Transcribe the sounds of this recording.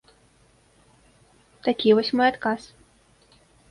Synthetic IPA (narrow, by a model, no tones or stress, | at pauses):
t̪akʲivɔsʲmɔjat̪kas